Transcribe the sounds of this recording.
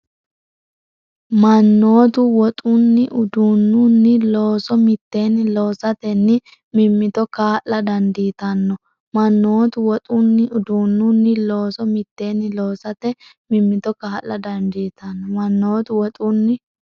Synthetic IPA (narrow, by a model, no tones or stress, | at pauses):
mɐnːo̞ːt̪̬ʊwɔt̪ʼʊnːɪʔʊd̪unːʊnːɪlo̞ːsɔmɪt̪ːe̞ːnːɪlo̞ːsɐt̪ɛnːɪ | mɪmːɪt̪ɔkaːʔlɐd̪ɐnd̪iːt̪ɐnːɔ | mɐnːo̞ːt̪ʊwɔt̪ʼʊnːɪʊd̪unːʊnːɪlo̞ːsɔmɪt̪ːe̞ːnːɪloːsɐt̪ɛ | mɪmːɪt̪ɔkaːʔːɐd̪ɐnd̪iːt̪ɐnːɔmɐnːoːt̪ʊwɔt̪ʼʊnːɪ